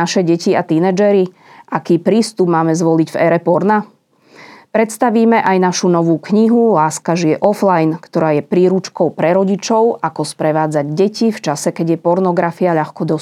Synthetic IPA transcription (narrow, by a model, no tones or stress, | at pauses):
aʃɛɟɛciat̪inɛd͡ʒɛɾi | ʔakiːpɾiːst̪ubmaːmɛzʋɔliɟvɛɾɛpɔɾna | pɾɛt̪st̪aʋiːmɛʔajnaʃunɔʋuːkɲiɦulaːskaʒiɛʔɔflajnkt̪ɔɾaːjɛpɾiːɾut͡ʃkɔʊpɾɛɾɔɟit͡ʃɔʊʔakɔspɾɛʋaːd͡zaɟɟɛcift͡ʃasɛkɛɟɪjɛpɔɾnɔɡɾafiaʎaxkɔd̪ɔ